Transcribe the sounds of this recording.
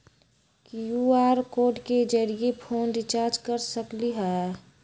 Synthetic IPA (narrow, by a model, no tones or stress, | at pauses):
kijuaːɾkoːɖked͡ʒəɾiepʰoːndɪt͡ʃaːɾd͡ʒkəɾsəkliɦɛ